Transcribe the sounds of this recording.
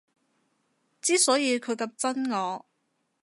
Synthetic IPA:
t͡siː˥sɔː˨˥jiː˨˧kʰɵ˨˧ɥkɐ˧p̚t͡sɐ˥nŋɔː˨˧

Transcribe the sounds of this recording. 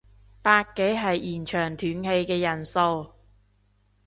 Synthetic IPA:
paː˧kːe˨˥jɦɐ˨jʔiː˨˩nt͡ʃʰœː˨˩ŋt̪ʰyː˨˥nhe˧jkɛː˧jɐ˨˩nso˧w

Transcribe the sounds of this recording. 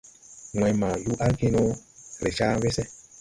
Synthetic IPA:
ŋwɛ̃˨ma˨ju˦ʔa˦ɡi˦nɔ˦ɾe˨t͡ʃa˦βe˦sɛ˦

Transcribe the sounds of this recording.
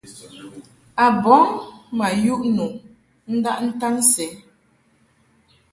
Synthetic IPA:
a˨bɔ˨˦ŋma˨ju˦ʔnu˨ʔ | n̩˦da˦ʔn̩˦ta˦nsɛ˨˦

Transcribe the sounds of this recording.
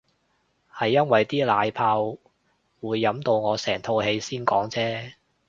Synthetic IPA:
hɐ˨jːɐ˥nwɐ˨jt̪iː˥laː˨˧jpʰaː˧w | wuː˨˧jːɐ˨˥mt̪o˧wŋɔː˨˧sɛː˨˩ŋt̪ʰo˧whe˨˧jsiː˥nkɔ̰ː˨˥ŋt͡sɛː˥

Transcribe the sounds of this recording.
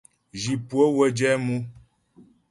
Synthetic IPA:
d͡ʒi˨pwə˦wə˦d͡ʒɛ˦mu˦

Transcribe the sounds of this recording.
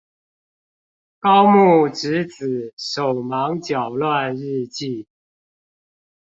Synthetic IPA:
kɑ˦ʊmu˥˩ʈ͡ʂɻ̩˧˦t͡sɹ̩˨˩˦ʂo˨˩ʊmɑ˧˦ŋt͡ɕjɑ˨˩ʊlwa˥˨˧nɻ̩˥˧t͡ɕi˥˨

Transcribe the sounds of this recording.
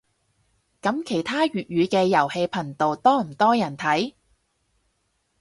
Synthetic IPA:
kɐ˨˥mkʰe˨˩jt̪ʰaː˥ɥyː˨t̚ɥyː˨˧kɛː˧jɐ˨˩whe˧jpʰɐ˨˩ŋt̪o˨wt̪ɔː˥m̩˨˩t̪ɔː˥jɐ˨˩nt̪ʰɐ˨˥j

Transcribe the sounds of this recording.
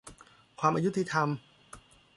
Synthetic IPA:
kʰwaː˧mʔaː˧ju˥t̪ʰi˧t̪ʰa˧m

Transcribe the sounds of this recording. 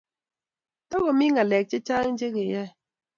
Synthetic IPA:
tɔ˦ɣo˨mi˦ŋa˨lɛ˨k̚t͡ʃe˦t͡ʃa˦ŋ˦d͡ʒe˦ɣe˨jɛ˦

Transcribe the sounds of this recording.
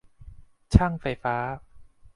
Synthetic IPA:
t͡ɕʰa˥˩ŋfa˧˩jfaː˦˥

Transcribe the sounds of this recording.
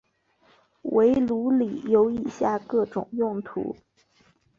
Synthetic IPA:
we˧˥ɪlu˧˥li˨˩jo˧˥ʊi˨˩ɕja˥˧kɤ˥˩ʈ͡ʂʊ˨˩ŋjʊ˥˩ŋt̪ʰṵ˧˥

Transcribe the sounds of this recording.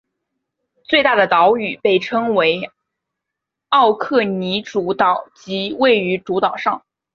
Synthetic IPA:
t͡swe˥˧ɪt̪a˥˩d̪ə˩t̪ɑ˧˥ʊy˨˩pe˥˩ɪʈ͡ʂʰɤ˥ŋwe˧˥ɪ | ɑ˥˧ʊkʰɤ˥˩ni˧˥ʈ͡ʂu˧˥t̪ɑ˨˩˦ʊt͡ɕi˧˥we˥˩ɪy˧˥ʈ͡ʂu˧˥t̪ɑ˨˩ʊʂɑ˥˩ŋ

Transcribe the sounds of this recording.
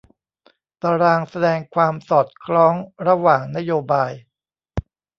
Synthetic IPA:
t̪aː˧ɾaː˧ŋsa˧dɛː˧ŋkʰwaː˧msɔː˨˩t̪̚kʰɾɔː˦˥ŋɾa˧waː˨˩ŋna˦˥joː˧baː˧j

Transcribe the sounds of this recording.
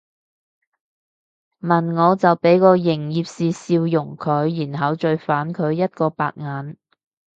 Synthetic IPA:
mɐ˨˩nŋɔː˨˧t͡sɐ˨wpe˨˥jkɔː˧jɪ˨˩ŋjiː˨˧p̚siː˨siː˧wjʊ˨˩ŋkʰɵ˨˧˥ɥjiː˨˩nɦɐ˨˧wt͡ʃɵ˧ɥfaː˨˥nkʰɵ˨˧˥ɥjɐ˥t̚kɔː˧pa̰ː˧t̚ŋaː˨˥n

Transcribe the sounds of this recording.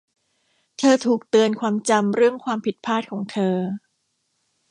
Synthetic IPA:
t̪ʰɤː˧t̪ʰuː˨˩k̚t̪ɯ˧ənkʰwaː˧mt͡ɕa˧mɾɯ˥˩əŋkʰwaː˧mpʰi˨˩t̪̚pʰaː˥˩t̪̚kʰɔː˩˦ŋt̪ʰɤː˧

